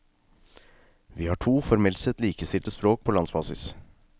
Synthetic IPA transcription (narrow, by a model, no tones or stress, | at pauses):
ʋiːhɑːʈʰuːfɔɾmɛlt̪sɛt̪liːkəst̪ɪlt̪əspɾoːk̚pʰoːlɑnsbɑːsɪ̰s